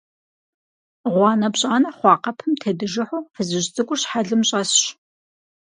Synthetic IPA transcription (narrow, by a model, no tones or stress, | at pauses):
ʁʷɑːnɐbɕʼaːnɐχʷɑːqɐpʰɨmtʰɐdɨʒɪħuːfɨzɨʑt͡sʼɨɡʷʼʊrɕħaɮɨmɕʼɐsɕ